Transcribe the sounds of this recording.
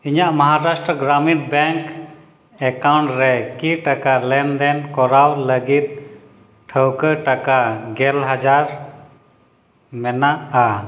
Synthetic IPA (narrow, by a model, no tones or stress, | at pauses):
iɲaʔməɦaɾasʈɾəɡɾaminbɛŋk | ɛkawɳʈɾɛkiʈakalɛnd̪ɛnkɔɾawləɡit̪̚ | ʈʰəwkəʈakaɡɛlɦad͡ʒaɾ | mɛnaʔa